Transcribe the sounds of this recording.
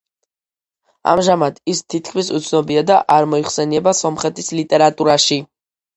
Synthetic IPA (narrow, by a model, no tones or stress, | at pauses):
a̰mʒamad̪̥ist̪ʰit̪̚kʰmisṵt̪sʰnɔbiad̪aʔaɾmɔiχsɛniɛbasɔmχɛt̪ʰislit̪ʼɛɾat̪ʼuɾaʃi